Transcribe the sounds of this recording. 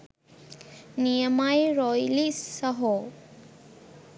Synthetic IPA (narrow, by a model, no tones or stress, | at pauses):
nijəmajɾɔjlisəɦo